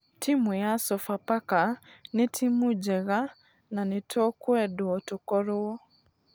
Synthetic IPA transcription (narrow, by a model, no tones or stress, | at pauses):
tʰimwɛasɔfapakanetʰimud͡ʒɛɣa | nanetʰɔkwɛdwɔtokɔɾoɔ